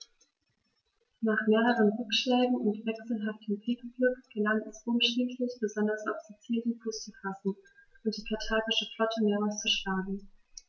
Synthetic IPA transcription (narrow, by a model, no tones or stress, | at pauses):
naːχmeːʁəʁənʁʏkʃlɛːɡŋ̩ʊntv̥ɛksl̩ɦaftʰəmpʰɪkb̥lʊkɡ̥əlaŋɛsʔʊmʃtɪntʰlɪçb̥əzɔndɐsa̰ʊfz̥it͡siːldənfʰust͡sufasn̩ʔʊnt̚d̥iːkʰatʰaːɡɪʃəflɔtʰəmeːʁaʊst͡suʃlaːɡŋ̩